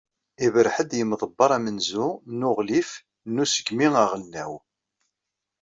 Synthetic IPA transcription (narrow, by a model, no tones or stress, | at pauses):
ivəɾħəd̪jəmðˤəbːɑɾˤæmənzunʊʁlif | nːusə̥ɡmiŋaʁəlnːæw